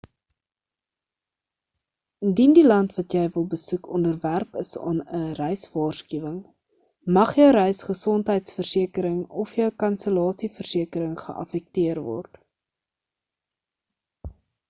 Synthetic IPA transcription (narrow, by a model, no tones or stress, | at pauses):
əndindilɐntvɐtjɛjvəlˠbəsukɔndərværpəsɑ̰ːnərɛjsvɑːrskyvəŋ | mɐχjəwɾɛjsχəsɔntɦəjtsfərsiəkəɾəŋɔfjœwkɐnsəlɑːsifərsiəkəɾəŋχə̰ʔɐ̰fɛk̚tiərvɔ̰rt